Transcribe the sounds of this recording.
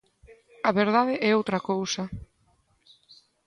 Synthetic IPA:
ɐβeɾðaðeʔɛowt̪ɾɐkowsa

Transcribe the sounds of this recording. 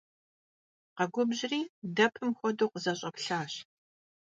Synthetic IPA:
qɐɡʷʊbʑriːdɐpʰɨmxʷɔdoːqəzɐɕʼɐpɬaːɕ

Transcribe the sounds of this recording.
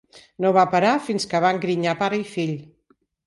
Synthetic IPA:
noβapəɾafinskəβ̞aŋɡɾiɲapaɾəifiʎ

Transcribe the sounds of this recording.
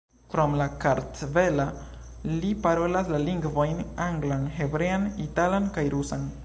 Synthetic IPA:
kɾo̞mlakaɾtve̞la | lipaɾo̞laslaliŋɡvo̞jnaŋɡlanɦe̞bɾe̞anitalankajɾusan

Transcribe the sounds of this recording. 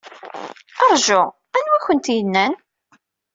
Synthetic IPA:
ɑɾˤʒʊ | ænwæçənt̪jənːæn

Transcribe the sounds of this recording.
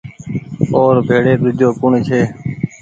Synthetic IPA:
oːɾbʱeːɽeːɗ̪ʊd͡ʒʱoːkʊɳt͡ʃʰeː

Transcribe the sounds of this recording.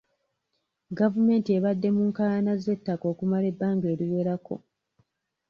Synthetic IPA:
ɡavume̞ːntieβadːe̞muːŋkaanaze̞tːako̞ːkumale̞bːaːŋɡe̞ːluβe̞ɾakʰo̞̰

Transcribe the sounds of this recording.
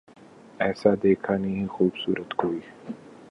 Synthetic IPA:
ɛːsad̪eːkʰanɐɦĩɦɛxuːbsṵːɾət̪koːi

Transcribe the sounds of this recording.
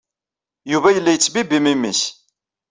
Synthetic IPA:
juvæjəlːæjət͡sːbibimimːḭs

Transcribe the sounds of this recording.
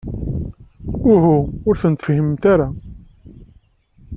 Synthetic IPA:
ʊhuʊɾθənt̪fhəmt̪aɾa

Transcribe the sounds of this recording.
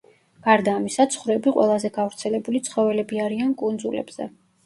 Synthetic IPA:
ɡ̥aɾd̪aːmisat̪sʰχɾɛbiqʼwɛ̰lˠazɛɡavɾt̪sʰɛlɛbulit̪sʰχɔvɛlɛbiaɾiankʼund̪zulɛ̰bz̥ɛ̰

